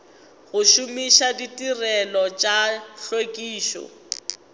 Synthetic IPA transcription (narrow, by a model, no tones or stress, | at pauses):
ɣʊʃʊmiʃaditʼirɛlɔt͡ʃʼaɬwekʼiːʃɔ̰